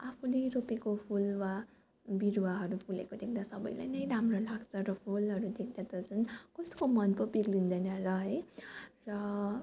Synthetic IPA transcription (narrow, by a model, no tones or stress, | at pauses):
apʰuleropekopʰulwa | biɾuwaɦʌɾupʰulḛkod̪ek̚ʰd̪asʌbʌ̰jla̰jnʌjɾamrolaɡt͡sʰʌɾʌpʰulɦʌɾud̪ek̚ʰd̪at̪ʌt͡sʌnkʌskomʌnpʌpiɡlind̪ʌjnʌrʌɦʌerʌ